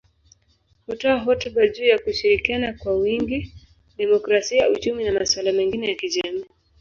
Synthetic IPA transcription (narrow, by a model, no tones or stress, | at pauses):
hutɔaɦɔtuɓaʄuːjakuʃiɾikianakwawiŋɡi | ɗɛmɔkɾasiaut͡ʃuminamaswalamɛŋɡinɛjakiʄami